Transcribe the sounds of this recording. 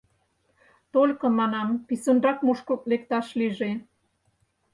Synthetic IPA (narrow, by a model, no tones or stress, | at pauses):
t̪olʲkɤ̆mɑnɑmpisənrɑkmuʃkoklek̚t̪ɑʃliʒe